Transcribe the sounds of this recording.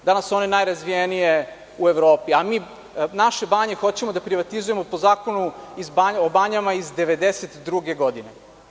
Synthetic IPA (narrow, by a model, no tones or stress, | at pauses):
d̪anasuo̞nenajɾazʋijenije̞ | ueʋɾoːpiamiː | naʃe̞baːɲe̞xo̞t͡ɕe̞mod̪apɾiʋat̪izuje̞mo̞pozaːkonuizbaɲobaɲamaizd̪eʋe̞d̪eset̪d̪ɾuɡe̞ɡo̞d̪ine̞